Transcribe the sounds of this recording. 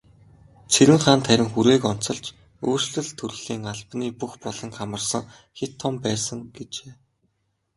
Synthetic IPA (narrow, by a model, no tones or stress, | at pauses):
t͡sʰeɾɘ̆ŋχaːnt̪ʰæɾʲɪ̆ŋxuɾeːkɔn̥t͡sɞ̆ɮt͡ɕ | uːr̥sɮɘ̆ɮt̪ʰɵɾɮ̥iːŋaɮpniːpuxpɔɮɞ̆ŋkamə̆rsə̆ŋ | xet̪ʰːɔmpæːsə̆ŋɡet͡ɕeː